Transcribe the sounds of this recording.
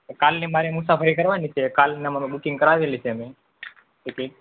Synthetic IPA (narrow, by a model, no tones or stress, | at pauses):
kalnemaɾemusapʰəɾikəɾʋanit͡ʃʰekalneəməmeɓukiŋɡkəɾaʋelit͡ʃʰeəme | eke